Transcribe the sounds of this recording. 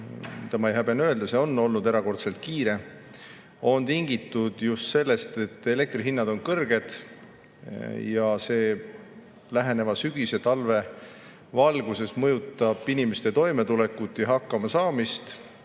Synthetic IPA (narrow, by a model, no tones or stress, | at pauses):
t̪ɑmɑejɦæbenø̞e̞ld̪̥ɑse̞o̞nːo̞lnud̪e̞ɾɑko̞rt̪se̞lt̪̚kiːɾe̞ | o̞nt̪iŋɡ̥it̪ːˑud̪̥just̪se̞lːe̞st̪e̞t̪ːe̞le̞k̚t̪riɦinːɑd̪̥o̞nkɤrɡ̥e̞d̪̥ | jɑse̞ː | læɦe̞ne̞vɑsyɡ̥ise̞t̪ɑlve̞ | vɑlɡ̥use̞smɤjut̪ːˑɑb̥inimest̪e̞t̪o̞jme̞t̪ule̞kːut̪ːˑjɑɦɑkːɑmɑsɑːmist̪